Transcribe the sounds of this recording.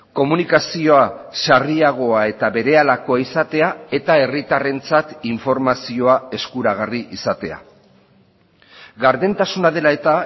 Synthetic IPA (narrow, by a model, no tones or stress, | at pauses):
ko̞munikasio̞asariaɣ̞o̞ae̞t̪aβe̞ɾe̞alako̞aisat̪e̞ae̞t̪ae̞rit̪are̞nt͡sat̪iɱfo̞ɾmasio̞ae̞skuɾaɣ̞ariʔisat̪e̞̰a̰ | ɣaɾðe̞nt̪asunaðe̞lae̞t̪a